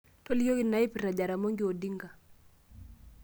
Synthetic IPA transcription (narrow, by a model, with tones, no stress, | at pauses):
to˦lɪjo˦ɡɪ˦na˨˦ɪ˦pi˨ɾa˨d͡ʒa˨ɾa˨mo˦ŋɡɪ˦o˨di˦ŋɡa˨